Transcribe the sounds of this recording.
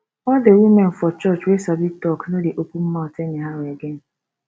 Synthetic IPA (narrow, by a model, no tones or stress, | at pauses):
ɔdewimen̩fɔt͡ʃɔt͡ʃwesabitɔknodeʔokʷum̩maɔtenɪɦaɾʊeɡen̩